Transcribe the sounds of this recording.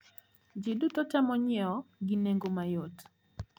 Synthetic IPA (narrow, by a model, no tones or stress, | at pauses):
d͡ʒidutɔtamɔɲɛɔɡɪneŋɡomajot